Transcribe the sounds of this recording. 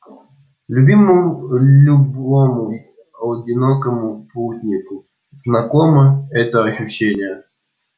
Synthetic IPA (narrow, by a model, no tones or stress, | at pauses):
lʲubʲimɨmulʲubomʊ | ɐdʲɪnokəmʊputʲnʲɪkʊ | znɐkoməɛt̪əɐɕʊɕːenʲɪjə